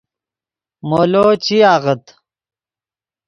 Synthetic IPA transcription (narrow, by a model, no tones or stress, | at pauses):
moːloːt͡ɕiaːʁɐt̪